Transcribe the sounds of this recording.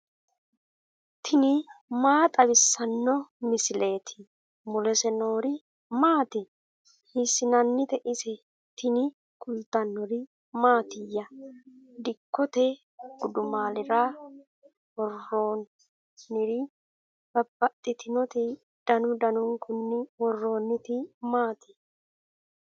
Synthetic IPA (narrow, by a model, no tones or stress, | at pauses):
t̪ʰɪnɪmaːt̪ʼɐβɪsːɐnːɔmɪsɪle̞ːt̪ʰɪ | mʊlɛsɛnoːɾɪ | maːt̪ɪ | hɪsɪnɐnːɪt̪ɛʔɪsɛ | t̪ɪnɪ | kʼʊlt̪ɐnːɔɾɪ | maːt̪ɪjːɐ | d̪ɪkːɔt̪eː | ɡ̥ʊd̪ʊmaːlɪɾaː | wɔrːoːnː | ɪɾiː | b̥ɐbːɐt̪ʼːɪt̪ɪnɔt̪i | d̪̥ɐnʊd̪ɐnʊŋkʰʊnːɪwɔrːo̞ːnːɪt̪imaːt̪ɪ̥